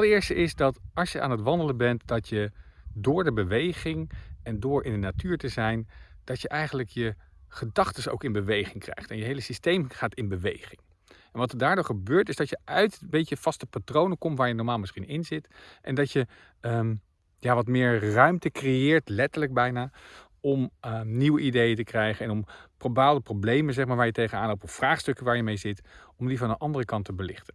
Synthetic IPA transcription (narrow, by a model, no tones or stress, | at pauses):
ɑləɪːɹstəʔɪzdɑtɑlˠʃjəʔa̰ːnətʋɑndələbɛntdɑtjədʊːɹdəbəʋejχɪŋɛndʊːɹʔɪndənatyːɹtəzɛjnd̥ɑtjəʔɛjχənləkjəχədɑχtəso̰wkɪnbəʋejχɪŋkrɛ̰jχtɛnjəɦejləsistejmχaːtɪnbəʋḛjχɪŋ | ʔɛnʋɑtəɹdaːɹdʊːɹχəbøːɹtɪzdɑtjəʔœɥtmbejcəv̥ɑstəpatrownəkɔmtʋaːɹjənɔɹmaːlˠmɪsχinɪnzɪtʔɛndɑtjə | ə | jaːʋɑtmɪːɹrœɥmtəkrejɪːɹtlɛtəɹləɡ̚bɛjnaː | ɔmniwəʔidejətəkrɛjχənɛnɔmprobaːlˠdəprowblejməzɛχmaːɹʋaːɹjətejχənaːnɦowp̚tɔfːraːχstɵkəʋaːɹjəmejzɪt | ɔmdivɑnənʔɑndərəkɑntəbəlɪχtən